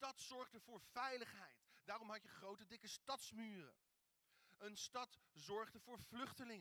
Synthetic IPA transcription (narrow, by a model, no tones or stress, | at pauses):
tɑtsɔɹχdəv̥ʊːɹv̥ɛjləχɦɛjtdaːrɔmɦɑcjəχrowtədɪkəstɑtsmyːrə̰ | ənstɑtzɔɹχdəv̥ʊːɹv̥lɵχtəlɪŋə